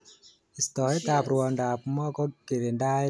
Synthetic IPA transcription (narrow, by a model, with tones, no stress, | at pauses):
i˨st̪ɔː˨i˦t̪aː˨pɾu˨˧˨ndaː˨˩p̚mɔ˦kɔ˦ke˨de˨ndaː˦˧